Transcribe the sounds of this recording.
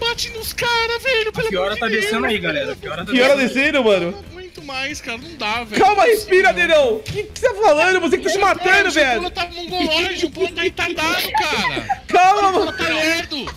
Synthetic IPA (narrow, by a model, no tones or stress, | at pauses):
bat͡ʃĩd̪ʊskaɾɐveɾʊpekɪɔɾɐt̪ad̪esẽnʊaiɡalɛɾɐkɪɔɾɐakɪɔɾɐd̪esed̪ʊmɐ̃nʊ | mũj̃t̪ʊmajskaɾɐnɐ̃w̃d̪avkawmɐhespiɾad̪enɐ̃w̃kɪ̥set̪afalɐ̃d̪ʊvos̬ekɪt̪asɪmat̪ɐ̃d̪ʊveɛɾɐt̪avɐnũɡoiʊd͡ʒɪput̪ẽt̪at̪aʊkaɾɐ̰kawmɐmɐaeɾd̪ʊ